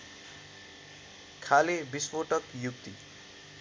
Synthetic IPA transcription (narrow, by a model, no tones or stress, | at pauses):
kʰalebispoʈʌkjuk̚t̪i